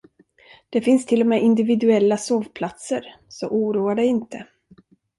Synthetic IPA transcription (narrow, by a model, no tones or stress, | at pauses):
d̪̥ɛfɪnst̪ʰɪlːɔmeːʔɪnd̪ɪvɪd̪ɵɛlːasoːvpʰlat̪səɾ | sɔʔuːɾuːaɖɛɪnt̪ə